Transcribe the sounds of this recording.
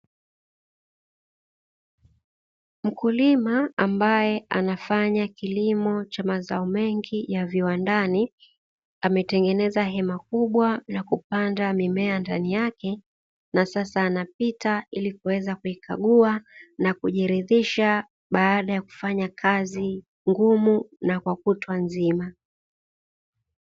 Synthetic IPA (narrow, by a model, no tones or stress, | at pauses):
m̩kulimaambajɛʔa̰nafaɲakilimɔt͡ʃamazaɔmɛŋɡijaviwandani | amɛtɛŋɡɛnɛzaɦɛmakuɓwanakupandamimɛandanijakɛ | nasasaːnapitailikuwɛzakuikʰa̰ɠuanakuʄiɾiðiʃa | ɓaaɗajaku̥faɲakʰazi | ŋɡumunakwakutwanzima